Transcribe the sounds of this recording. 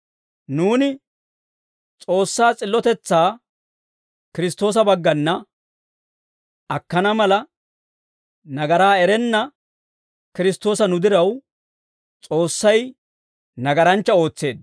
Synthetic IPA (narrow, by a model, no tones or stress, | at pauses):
nuːnɪ | t͡sʼo̞ːsːaːt͡sʼɪlːɔt̪ɛt͡sːaː | kɪɾɪst̪ːo̞ːs̬ɐbɐɡːɐnːɐ | ɐkːɐnɐmɐlɐ | nɐɡɐɾaːɛɾɛnːɐ | kɪɾɪst̪o̞ːsɐnʊd̪ɪɾɐw | t͡sʼo̞ːsːɐj | nɐɡɐɾɐnt͡ʃːɐo̞ːt͡sːe̞ːd̪